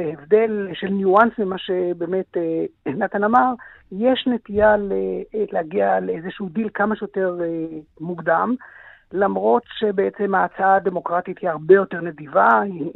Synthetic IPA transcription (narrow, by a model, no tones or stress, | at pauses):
eevde̞lʃe̞lnjuansmimaʃebeːmetenat̪anamaʁjeʃnetijalelehaɡialeezeʃuud̪ilkamaʃjot̪e̞ʁmuɡd̪am | lamʁo̞tʃe̞beet͡se̞maːt͡saad̪e̞mo̞kʁatithiaʁbejo̞te̞ʁnedivai